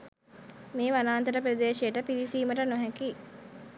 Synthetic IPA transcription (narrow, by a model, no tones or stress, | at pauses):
meːʋanaːnt̪əɾəpɾəd̪eːʃejəʈəpiʋisiːməʈənoɦæki